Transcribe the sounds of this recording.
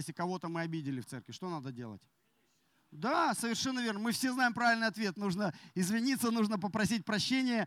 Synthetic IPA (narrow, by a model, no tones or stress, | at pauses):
sʲɪkɐvo̞t̪əmɨɐbʲidʲɪlʲɪft̪sɛ̰rkvʲɪʂt̪onad̪ədʲe̞lˠə̰tʲ | d̪asəvʲɪrʂɛnːəvʲe̞rnəmɨfsʲe̞znajɪmpɾavʲɪlʲnɨjɐt̪vʲe̞t̪nuʐnəɪzvʲɪnʲit̪sːənuʐnəp̬əpɾɐs̬ʲit̚ʲpɾɐɕːenʲɪjə